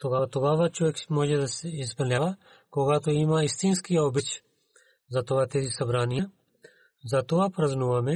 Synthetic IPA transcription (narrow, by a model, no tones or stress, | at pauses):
t̪oɡaːt̪oɡaːʋat͡ʃɔʋɛkmɔːʒɛd̪ɐsɛizpɐlnʲjaːʋa | koɡat̪oimaist̪inskijaɔbit͡ʃ | zat̪oat̪ɛzisɐbɾaːnija | zat̪oapɾɐznuʋɐmɛ